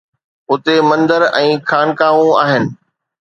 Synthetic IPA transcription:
ɦʊt̪emɐ̃nd̪əɾɛ̃ːkʰaːnkaːʋũaːɦɪnɪ̆

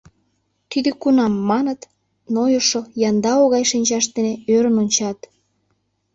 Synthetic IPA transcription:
t̪id̪økunɑmːɑnət̪ | nojoʃojɑnd̪ɑoɣɑjʃinʲt͡ɕɑʃt̪eneøɾənonʲt͡ɕɑt̪

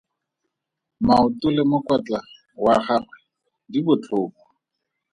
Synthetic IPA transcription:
maʊtʊlɪmʊkwat͡ɬʼa | waχarwɛ | dibʊt͡ɬʰʊːpɔ̥

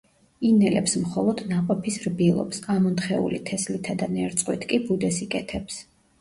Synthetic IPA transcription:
inɛlɛ̰psmχɔlˠɔd̪̥naqʼɔpʰisɾbilˠɔ̰psamɔnt̪χɛṵlit̪ʰɛslit̪ʰad̪anɛɾt̪sʼqʼwit̪ʰkʼibud̪ɛsikʼɛt̪ʰɛps

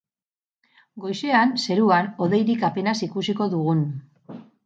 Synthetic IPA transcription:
ɡo̞jse̞anse̞ɾuano̞ðe̞jɾikape̞nasikusiko̞ðuɣun

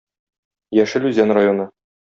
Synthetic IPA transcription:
jæʃɘlʉzænrajonɤ

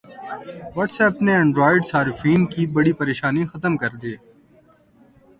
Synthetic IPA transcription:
ʋɔːʈsɛːɐpneɛ̃ɳɖɾoːɪɖsaːɾɪfiːnkiːbəɽiːpəɾeːʃaːniːxət̪əmkəɾd̪eː

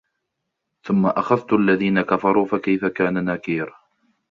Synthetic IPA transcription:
θʊmːaʔaxaðt̪ʔalːaðiːnakafɑɾˤuːfakajfakaːnanaːkiːɾ

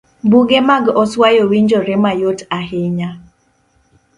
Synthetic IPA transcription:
buɡemaɡɔswajowiɲd͡ʒɔɾemajotahɪɲa

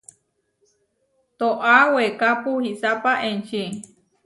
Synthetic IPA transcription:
t̪oʔawekapuhisapaʔent͡ʃi

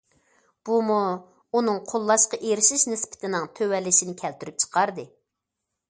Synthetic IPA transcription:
b̥umu | unɨŋqʰolˠːɑʃqɑʔeɾɪʃiʃnɪspʰɪ̥t̪ʰɪnɪŋt̪ʰøwɛlːɪʃinɪkʲʰɛlt̪yɾyp̚t͡ʃʰə̥qʰɑɾd̪ɨ

